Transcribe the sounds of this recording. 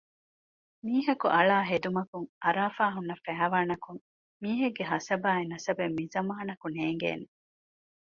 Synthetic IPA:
miːɦɐkuʔɐɭaːɦed̪umɐkuŋʔɐɾaːfaːɦunːɐfæːʋaːnɐkuŋ | miːɦeɡːeɦɐsɐbaːenɐsɐbemːizɐmaːɐnɐkuneːŋɡḛːne

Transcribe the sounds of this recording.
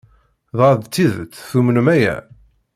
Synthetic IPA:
ðˤɑɾˤd̪t͡s̪ːiðə̰t͡sːθumənmæjæ̰

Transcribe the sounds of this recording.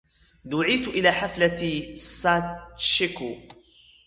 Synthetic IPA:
d̪ʊʕiːt̪ʔɪlaːħaflasaːt͡ʃɪku

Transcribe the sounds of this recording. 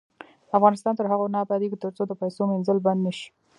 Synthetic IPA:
afɣɑnɪst̪ɑnt̪əɾɦaɣonɑːbɑd̪eɡit̪əɾt͡sod̪əpajsomenzəlband̪naʃi̥

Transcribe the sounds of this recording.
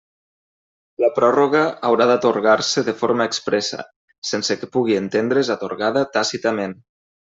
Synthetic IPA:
ləpɾɔroɣəawɾaðat̪oɾɣaɾsəðəfoɾmaeːkspɾɛsə̰ | sensəkəpuɣ̞ient̪end̪ɾezat̪oɾɣaðət̪asit̪amen

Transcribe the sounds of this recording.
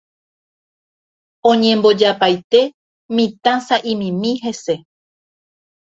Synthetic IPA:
õɲẽ̞mbo̞d͡ʒapajt̪e̞ | mĩt̪ãsaʔĩmĩmĩɦe̞se̞

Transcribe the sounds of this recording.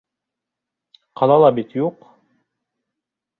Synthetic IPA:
qʰɑlˠɑlˠɑbit̪juq

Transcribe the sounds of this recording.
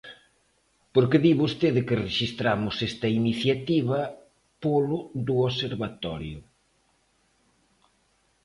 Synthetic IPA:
poɾkeðiβust̪eðekɪreʃist̪ɾamʊsest̪ɐiniθjat̪iβɐ | polʊðʊoseɾβat̪ɔ̰ɾjʊ̰

